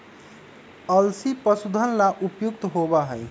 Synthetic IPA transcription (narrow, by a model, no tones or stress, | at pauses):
ʌlsipʌsud̪ʱʌnlaʔupjuk̚t̪ɦobaɦʌj